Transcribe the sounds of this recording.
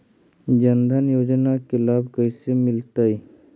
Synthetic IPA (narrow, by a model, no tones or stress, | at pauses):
d͡ʒənd̪ʱənjoːd͡ʒnakelaːbkəjsemɪlt̪ai